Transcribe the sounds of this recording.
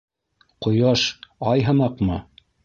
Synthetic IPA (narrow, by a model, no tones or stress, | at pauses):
qŏjɑʃɑjɦɤ̆nɑqmɤ